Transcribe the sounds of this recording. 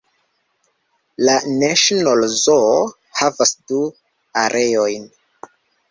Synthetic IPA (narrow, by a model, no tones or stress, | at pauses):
laneʃonolzo | havasdu | aɾʔeo̞jn